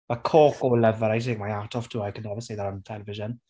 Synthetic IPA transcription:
b̥əkʰɔːkolɛvəɾajts̬ẽŋmaɪjatʰɔv̥tʰuːajkʰənɛvəseɪðəɾə̃nətʰɛləvɪʒə̃n

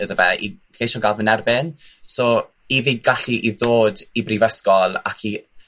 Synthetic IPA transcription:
əðəvɛḭkeʃɔɡavənɛrbɪnsɔ | iviːd̚ɡaɬiʔiðoːdibrivəskɔlˠa̰kʰi

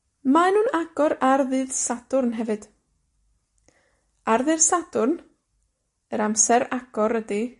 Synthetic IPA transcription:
manuːnaɡ̥ɔɾarðɨːðsad̥ʊrnɦɛvɨd̥ | arðɨðsad̥ʊrn | əɾamsɛɾaɡ̥ɔɾədi

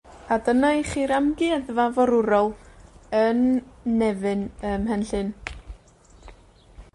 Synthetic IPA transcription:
adənɔχiɾamɡɪaðvavɔɾʊɾɔlˠənːɛvɨnəmɦɛnɬɨn

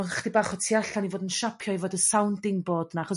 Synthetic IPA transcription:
χd̥ibaːχɔtʰiaɬanivoːdənʃapʰjɔivoːdəsawndɪŋboːdnaχɔs

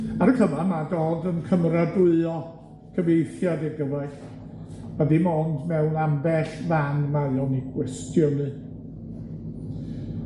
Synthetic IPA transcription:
aɾəkʰəvamadoːdənkʰəmradʊɨɔ | kʰəvejθjadɛɡəwɛɬ | madimɔndmɛlnambɛɬmanmaɨɔniɡwɛstʰjɔnɨ

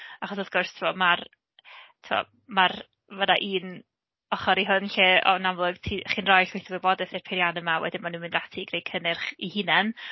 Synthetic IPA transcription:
aχɔsɔvɡʊrstʰɪwɔmar | tʰɪwɔ̰ | mar | vənaʔiːn | ɔχɔɾiɦʊnɬeɔ̰namlˠʊɡ̥tʰiχinrɔjɬwejθɔvibɔdɛθɪrpʰɪɾjanəmawɛ̰dɪnmanumɪndatʰiɡ̥rejkʰənɪrχihɪnɛn

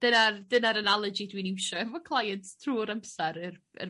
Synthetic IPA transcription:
d̥ənardənaɾənalˠəd͡ʒidwiniwʃɔɛvɔkʰlˠajəntstʰruːɾəmsaɾər | ə̰

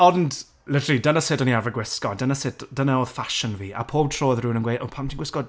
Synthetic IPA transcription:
ɔnd | lədridənəseːdɔniavəɡwɪskɔdənəseːdd̥ənaoːð̥faʃənviːa̰pʰoːbtʰroːəðruːnənɡweːʔopʰamtʰiŋɡwɪskɔd

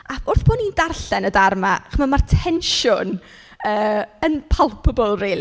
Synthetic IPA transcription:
aʊrθb̥oːnindarɬɛnədarmaχəmamartʰɛnʃʊn | əːənpʰalˠpʰəbɔlˠrejli

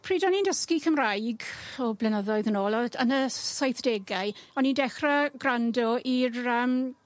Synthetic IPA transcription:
pʰriːdɔnindəskikʰəmrajɡɔblɛnəðɔɨðənoːlˠɔənəsajθd̥eɡaɨɔnindɛχraɡrandɔirəm

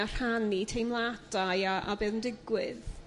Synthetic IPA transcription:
ar̥hanitʰejmlˠad̥ajaʔa̰beːðəndɪɡwɪð

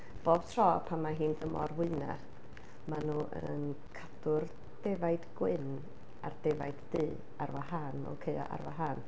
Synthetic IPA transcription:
b̥oːb̥tʰr̥ɔːpʰamːaɦiːndəmɔ̰rwɨna̰ | manuːʔənkʰadʊr | d̥evajdɡwɪn | a̰rd̥evajddɨː | arwaɦanɔ̰kʰeja̰ʔa̰rwaɦan

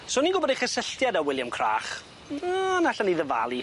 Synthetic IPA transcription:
soːniɡʊbɔdeχəsəɬtjadawɪljamkʰra̰ːχ | anaɬaniːðəva̰lˠi

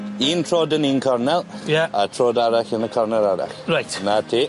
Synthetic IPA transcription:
iːntʰɹoːdəniːnkʰɔɹnɛlˠjaatʰɹoːdaɾaxənəkʰɔɹnɛlˠaɾa̰xɹajtnatʰiː

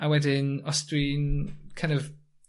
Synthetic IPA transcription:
awɛdɪnɔsdwinkʰãj̃ndɔv

